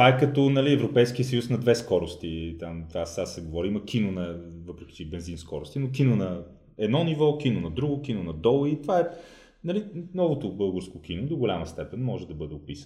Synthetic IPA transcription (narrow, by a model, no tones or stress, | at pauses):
taɛkɐt̪ɔnɐliɛvɾopɛjskiəsəjusnɐd̪vɛskɔɾost̪it̪amt̪vasasɛɡovɔɾiimɐkʰinonɐvɤpɾɛk̟i̥t͡ʃɛbɛnzinskɔɾʊst̪inok̬inonɐ | ɛd̪nɔnivɔkinonɐd̪ɾuɡʊkinʊnɐd̪ɔlˠit̪ovaɛ | nɐlinɔvot̪ʊbɤlˠɡəɾskok̟inod̪oɡolʲaməst̪ɛpɛnmɔʒɛd̪ɐbɤd̪ɛopisən